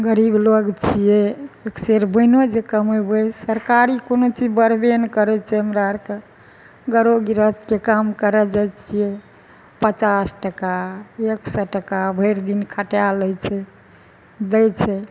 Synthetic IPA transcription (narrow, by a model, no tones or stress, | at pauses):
ɡəɾibləɡt͡ʃʰijɛekseɾbəɪnod͡ʒekəmebəsəɾkaɾikonot͡ʃid͡ʒbəɾbenkəɾɛt͡ʃʰɛɦəmɾaɾke | ɡəɾoɡiɾət̪kekamkəɾɛd͡ʒajt͡ʃʰijɛ | pət͡ʃasʈəkaeksəʈəkabʱəɾd̪inkʰəʈjaləjt͡ʃʰɛ | d̪əjt͡ʃʰɛ